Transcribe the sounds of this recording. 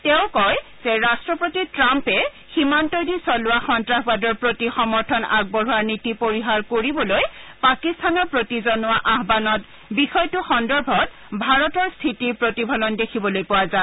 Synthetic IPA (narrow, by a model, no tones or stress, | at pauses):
tɛʊ̃kɔjz̥ɛɹastɹɔpotitɹampɛ | ximantodisɔlʊaxɔntɹaxbadɔɹpɹotixɔmɔɹtʰɔna̰ɡ̚bɔɹuaɹnitipoɹiɦaɹkoɹibɔlojpakistʰanɔɹpɹotizɔnʊaʔaɦbanɔt | bixɔjtʊxɔndɔɹbʱɔt | bʱaɹɔtɔɹstʰitiɹpɹotibʱɔlɔndekʰibɔlojpʊwaza